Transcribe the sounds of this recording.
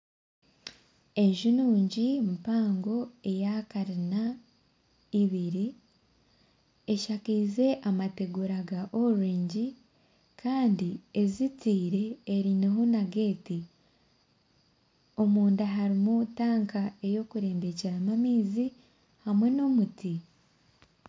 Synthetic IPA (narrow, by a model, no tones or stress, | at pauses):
e̞ʒunuːɲɟimupaːŋɡo̞e̞jakaɾina | iβiɾi | e̞ʃakiːze̞ʔamate̞ɡuɾaɡaʔoɾiːɲɟi | kʰaːndiezitiːɾe̞ːɾineɦonaɡe̞ːti | o̞muːndaɦaɾimutaːŋkae̞jo̞kuɾe̞ːmbe̞ceɾamamiːzi | hamwe̞no̞muti